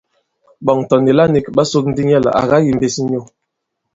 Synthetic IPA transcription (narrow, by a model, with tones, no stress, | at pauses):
bɔ˨ŋtɔ˨ni˨la˦ni˨kɓa˦so˦k̚n̩˦di˦ɲɛ˦˨lə̰˨a̰˨ɣa˦ji˨m̩˨be˨si˦ɲo˦˨